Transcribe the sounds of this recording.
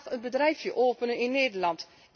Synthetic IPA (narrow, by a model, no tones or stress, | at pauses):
ənbədrɛjfjəʔoːpənənɪnːeːdəlɑnt